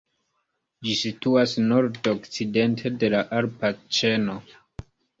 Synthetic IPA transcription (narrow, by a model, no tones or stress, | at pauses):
d͡ʒisituasnoɾdokt͡side̞ntʰe̞de̞laʔaɾpat͡ʃe̞no̞